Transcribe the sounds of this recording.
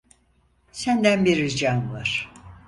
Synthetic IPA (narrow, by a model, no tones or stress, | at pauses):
sænd̪ænbiɾid͡ʒanlˠaɾ̥